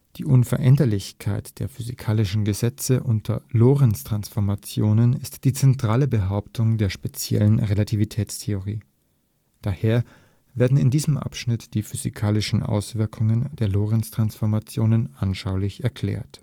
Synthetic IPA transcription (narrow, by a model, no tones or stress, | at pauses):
d̥ḭːʔʊnfɛɐʔɛndɐlɪçkʰaɪtd̥eːɐfyzikʰaːlɪʃn̩ɡəzɛt͡səʔʊntʰɐ̰loːʁɛnstʁ̥ansfɔɐmat͡sjoːnənɪstd̥iːt͡sɛntʁ̥aːləbəɦaʊptʰʊŋdeːɐʃpet͡sjɛ̰lənʁelatʰivitʰɛːt͡stʰeʊʁiː | d̥aːheːɐ | veːɐdn̩ɪ̰ndiːzəmʔa̰pʃnɪtd̥iːfyzḭkʰaːlɪʃn̩ʔa̰ʊsv̥ɪɐkʰʊŋənd̥eːɐloːʁɛnstʁ̥ansfɔɐmat͡sjoːnənʔanʃaʊlɪçɛɐkʰl̥ɛ̰ːɐt